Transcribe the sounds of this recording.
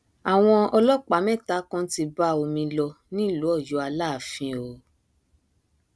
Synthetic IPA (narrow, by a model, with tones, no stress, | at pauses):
a˨w̃ɔ̃˧ɔ˧lɔ˦k͡pa˨˦mɛ̃˦˨ta˨˦kɔ̃˦ti˧ba˦o˧mĩ˧lɔ˧ | nĩ˦lu˨˦ɔ˦˨ju˨˦a˧la˦˨fĩ˧o˨